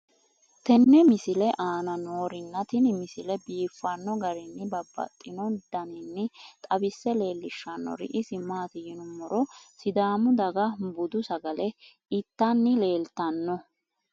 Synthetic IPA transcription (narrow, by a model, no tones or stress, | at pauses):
t̪ɛnːɛmɪsɪlɛʔaːnɐno̞ːɾɪnːɐt̪ɪnɪmɪsɪlɛbiːfːɐnːɔɡɐɾɪnːɪbɐbːɐ̰t̪ʼːɪnɔd̪̥ɐnɪnːɪt̪ʼɐbɪsːɛle̞ːlːɪʃːɐnːɔ̰ɾɪ̰ʔɪsɪmaːt̪ɪjɪnʊmɔɾɔsɪd̪aːmʊd̪ɐɡɐbʊd̪ʊsɐɡɐlɛ | ɪt̪ːɐnːɪle̞ːlt̪ɐnːɔ